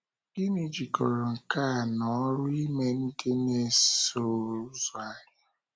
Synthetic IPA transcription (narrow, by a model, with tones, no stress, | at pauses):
ɡi˦ni˨d͡ʒi˨kɔ˨ɾɔ˨ŋ̩˨ka˦˨nɔ˨˦ɾʊ˦i˦me˦n̩˦dɪ˦ne˦so˦˨˦zɔ˨a˨ɲa˦